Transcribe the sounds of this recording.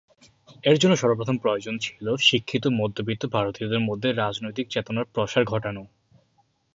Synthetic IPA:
eɾd͡ʑonːoʃɔɾop̬ɾot̪ʰompɾood͡ʑont͡ɕʰiloʃikʰːit̪̬omod̪ʱːobit̪ːobʱaɾot̪iod̪eɾmod̪ʱːeɾad͡ʑnojt̪ik̚t͡ɕet̪onaɾpɾɔʃaɾɡʱɔʈano

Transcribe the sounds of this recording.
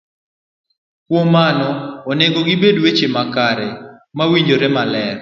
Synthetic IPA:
kwomanɔːneɡoɡɪbedwet͡ʃemakaɾɛmawiɲd͡ʒoɾemalɛr

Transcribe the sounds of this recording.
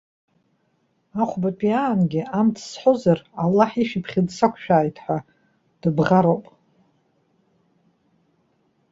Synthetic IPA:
aχʷbapʼiaːnɡʲiamtʰsħʷozaralːaħiʃipʰχʲɪdsakʷʰʃᶣaːjtʰħʷa | d̥ɨbʁaɾowpʼ

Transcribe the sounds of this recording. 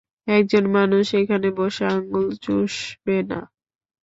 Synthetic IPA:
ɛk̚d͡ʑonmanuʃekʰaneboʃeaŋɡult͡ɕoʃbena̰

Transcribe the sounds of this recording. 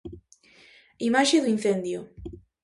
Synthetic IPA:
imaʃeðuin̟θend̪jo

